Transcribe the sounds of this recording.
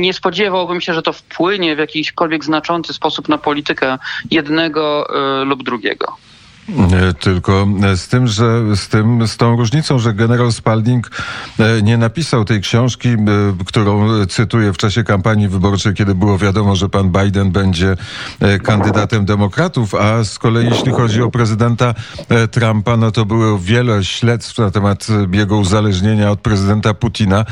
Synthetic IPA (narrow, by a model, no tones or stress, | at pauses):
ɲɛspɔd͡ʑɛvawbɘmɕɛʐɛt̪ɔfpʰwɘɲɛvjakʲiɕkɔlvʲjɛɡznat͡ʂɔnt̪sɘspɔsupnapɔlʲit̪ɘkɛjɛd̪nɛɡɔlubd̪ɾuɡʲɛ̰ɡɔ̰ | t̪ɘlkɔst̪ɘmʐɛst̪ɘmst̪ɔ̃w̃ɾuʐɲit̪sɔ̃w̃ʐɛɡɛnɛɾalspald̪ʲiŋk | ɲɛnapʲisawt̪ɛjkɕɔ̃w̃ʂkʲikt̪uɾɔ̃w̃t̪sɘt̪ujɛft͡ʂaɕɛkampaɲjivɘbɔɾt͡ʂɛjkʲɛd̪ɘbɘwɔvʲjad̪ɔmɔʐɛpanbajd̪ɛnbɛɲd͡ʑɛkand̪ɘd̪at̪ɛmd̪ɛmɔkɾat̪ufaskɔlɛjijeɕlʲixɔd͡ʑiɔpɾɛzɘd̪ɛnt̪at̪ɾampanɔt̪ɔbɘwɔvʲjɛlɛɕlɛt̪st̪fnat̪ɛmat̪jɛɡɔuzalɛʐɲeɲaɔt̪̚pɾɛzɘd̪ɛnt̪aput̪ʰʲina